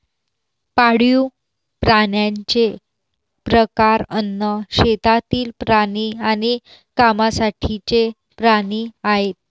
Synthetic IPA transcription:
paɽju | pɾaɳjaɲt͡ɕe | pɾəkaɾənːəɕet̪at̪iːlpɾaɽiani | kamasaʈʰit͡ɕe | pɾaɽiaɦet̪̚

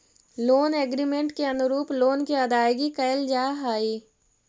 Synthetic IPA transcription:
loːneːɡɾimẽɳʈkeɐnʊɾuːploːnkeɐd̪aːjɡikɐjɪld͡ʒaːɦaːiː

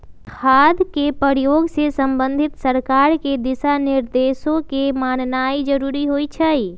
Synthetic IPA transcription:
kʰad̪ʱkepəɾjoɡsesəmbənd̪ʱɪt̪səɾkaɾked̪ɪsanɪɾd̪esõkemannaid͡ʒəɾuɾiɦojt͡ʃʰəi

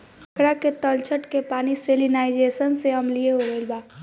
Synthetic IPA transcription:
əkɾaket̪əlt͡ʃʰəʈkepaːniseːlinaːɪd͡ʒeːsənseɦɐmlieɦoʋelbaː

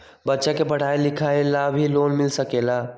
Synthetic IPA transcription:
bətːʃakepəɽ̤aːelɪkʰaːelabʱiloːnmɪlsəkelaː

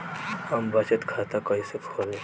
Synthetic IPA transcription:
ɐmbɐt͡ʃət̪kʰaːt̪akɐisekʰoːle

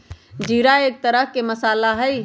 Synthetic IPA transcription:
d͡ʒiːɾaeːk̚t̪əɾəɦkeməsaːlaɦəj

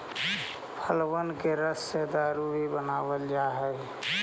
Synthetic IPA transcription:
pʰəlwənkeɾəsed̪aːɾuɦibənaːwəld͡ʒaːɦɛ

